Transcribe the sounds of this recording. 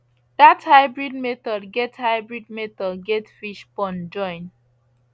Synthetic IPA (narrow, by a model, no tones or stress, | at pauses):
d̥athaɪbɹid̚metɔdɡethaɪbɹid̚metɔdɡɛtfiʃpɔ̃nd͡ʒɔ̃ɪ̃n